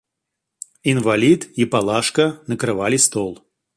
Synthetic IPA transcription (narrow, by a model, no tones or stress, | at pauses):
invalʲit̪ipalˠaʂkɐnɐkɾɨvalʲist̪ɔlˠ